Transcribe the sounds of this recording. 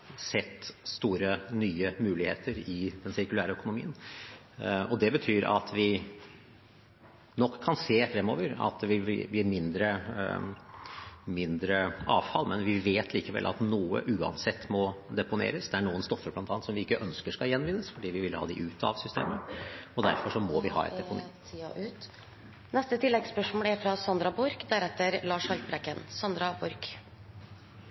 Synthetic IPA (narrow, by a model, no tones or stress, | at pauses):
sɛt̪ːst̪uːɾənyːəmʉːlɪheːt̪ʰəɾɪd̪ɛnsɪɾkʉlæːɾəœkʊnʊmiːən | ɔd̪ɛbət̪ʰyːɾɑ̰t̪ʰʋɪ | nɔkʰːɑnseːfɾɛmːo̰ːʋəɾɑ̰t̪̚d̪ɛʋɪḭːb̪iːmɪnd̪ɾə | mɪnd̪ɾəɑːʋfɑlːmɛnʋɪʋeːt̪ʰliːkəʋɛ̰lʔɑ̰t̪nuːə̰ʔʉːɑ̰nsɛt̪ːmɔd̪ɛpʊnḛːɾəsd̪ɛæɳuːənst̪ɔfːəɾblɑnt̪ʰɑːnt̪sɔmʋɪɪkːəʔœnskəʂkɑjɛnːʋɪnːəsfɔɖiːʋɪʋɪlːhɑ̰ːd̪ɪʔʉːt̪ʰɑ̰ʋsʏst̪ḛːməɔd̪æ̰ɾfɔʂɔmɔʋɪhɑ̰ːɛ̰t̪d̪ɛpʊn | ʔʉt̪ | nɛst̪ət̪ʰɪlːɛɡspœʂmoːlæɾfɾɑsɑnd̪ɾɑbʊɾkd̪æɾɛt̪ːəɾlɑːʂhɑlt̪̚bɾɛkːənsɑnd̪ɾɑbʊɾk